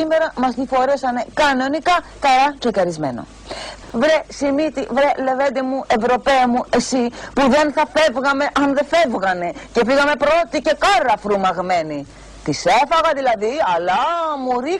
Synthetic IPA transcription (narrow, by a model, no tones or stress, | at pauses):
ime̞ɾɐmɐst̪ifo̞ɾesɐne̞kɐno̞nikɐkɐɾɐt̪ɾecɐɾizme̞̰no̞̰ | vɾesimit̪ivɾele̞vend̪emuʔe̞vɾo̞pe̞ɐmuʔe̞sipuðe̞nθɐfe̞vɣɐme̞ʔɐnðe̞fe̞vɣɐne̞ce̞fiɣɐme̞pɾo̞t̪ice̞kɐɾɐfɾumɐɣme̞ni | t̪ise̞fɐɣɐðilɐðiɐlɐmuɾi